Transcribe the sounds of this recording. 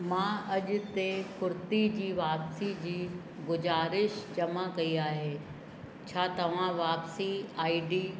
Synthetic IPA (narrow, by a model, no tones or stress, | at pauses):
mãɐʄʊ̆t̪ekʊɾt̪id͡ʑiːʋaːpsid͡ʑiː | ɡʊd͡ʑaːɾɪʃd͡ʑɐmakɐiaːɦeː | t͡ɕʰaːt̪ɐʋ̤ãʋaːpsiaːiɖiː